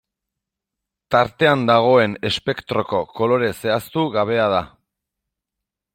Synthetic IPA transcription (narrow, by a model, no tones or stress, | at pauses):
t̪aɾt̪e̞and̪aɣ̞o̞e̞ne̞spe̞kt̪ɾo̞ko̞ko̞lo̞ɾe̞se̞ast̪uɣaβ̞e̞aða